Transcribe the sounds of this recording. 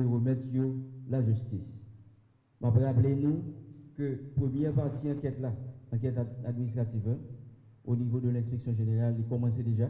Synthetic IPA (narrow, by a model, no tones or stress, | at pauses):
eʁəmɛt̪jolaʒyst̪is | mapʁaplenũkøpʁəmjɛʁpaʁt̪iɑ̃kɛt̪laɑ̃k̬ɛt̪ad̪minist̪ʁat̪ivɛ̃ | onivod̪əlɛ̃speksjɔ̃ʒeneʁalːikɔmɑ̃sed̪eʒa